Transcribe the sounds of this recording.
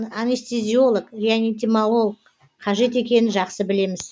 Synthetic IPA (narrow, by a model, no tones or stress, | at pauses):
amʲist̪izʲio̞lˠəkʒianit̪ʲimalˠo̞lˠək | qʰɑʒe̞t̪e̞kʲe̞nɪnʒɑqsəbɪle̞mɪz̥